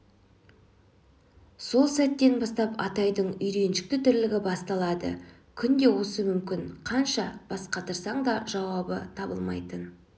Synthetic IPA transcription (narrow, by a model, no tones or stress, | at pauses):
so̞lˠsæt̪ːe̞nbɑst̪ɑpɑ̰t̪ɑjd̪əɴʏjɾe̞nʃɪ̥k̚t̪ɪt̪ʰʏɾlɪɡʲɪbɑst̪ɑlˠɑd̪ə̰ | kʲʰʏnd̪e̞wo̞səmʏmkʲɪŋqʰɑnʃɑb̥ɑsqɑt̪ʰəɾsɑɴd̪ɑʒɑwɑbət̪ʰɑbə̰lˠmɑ̰jt̪ən